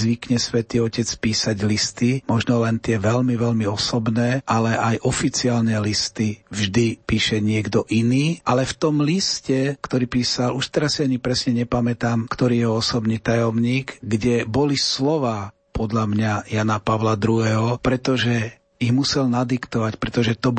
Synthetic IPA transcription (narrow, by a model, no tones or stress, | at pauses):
zʋikɲɛsʋɛt̪iːɔcɛt͡spiːsaɟlist̪imɔʒnɔlɛnt̪ɪɛʋɛlmiʋɛlmiɔsɔbnɛːʔalɛʔajʔɔfit͡siaːlnɛlist̪ivʒd̪ipiːʃɛɲɪɛɡd̪ɔʔiniːʔalɛft̪ɔmliscɛkt̪ɔɾiːpiːsaluʃt̪ɛɾasːiaɲipɾɛsɲɛɲɛpamɛt̪aːmkt̪ɔɾiːjɛɦɔɔsɔbniːt̪ajɔmɲiːɡɡɟɛbɔlislɔʋaː | pɔd̪ʎamɲajanapaʋlad̪ɾuɦɛɦɔpɾɛt̪ɔʒɛ | iɣmusɛlnad̪ikt̪ɔʋacpɾɛt̪ɔʒɛt̪ɔ